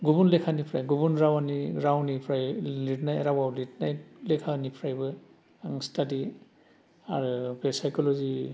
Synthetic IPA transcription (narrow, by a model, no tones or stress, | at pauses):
ɡubunlɛkʰanipʰɾajɡubunɾawaniɾawnipʰɾajlitnajɛɾawawlitnajlɛkʰanipʰɾajbɯ | aŋstadi | aɹɯbɛsajkɔlɔzi